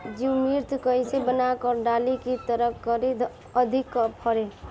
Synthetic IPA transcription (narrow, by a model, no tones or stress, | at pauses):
d͡ʒimiɾt̪kəjsebənakəɾɖalikit̪əɾəkʰkəɾid̪ʱ | əd̪ʱikːəpʰəɾe